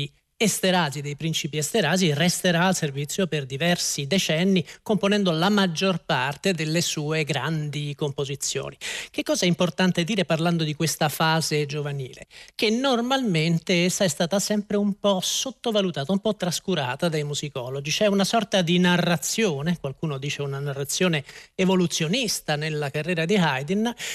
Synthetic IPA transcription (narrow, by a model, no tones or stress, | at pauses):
i | est̪eɾaːzid̪ejpɾint͡ʃipiɛst̪eɾaːzirɛst̪eɾaːlservit̪sːjoperd̪ivɛrsid̪et͡ʃɛnːikomponɛnd̪olamad͡ʒːorpart̪ed̪elːesuːeɡɾa̰nd̪ikompozit̪sːjo̰ːnik̟ekːɔːzaɛimport̪ant̪ed̪iːɾeparland̪od̪ikwest̪afaːzed͡ʒovanḭːlḛk̟enːormalment̪eɛsːaɛst̪aːt̪asɛmpɾeumpɔsot̪ːovalut̪aːt̪aumpɔt̪ːɾaskuɾa̰ːt̪ad̪ajmuzikɔlod͡ʒit͡ʃɛunasɔrt̪ad̪inarːat̪sːjoːnekwalkuːnod̪iːt͡ʃeunanarːat̪sːjoːneevolut̪sːjonist̪anelːakarːɛːɾad̪iɦajd̪in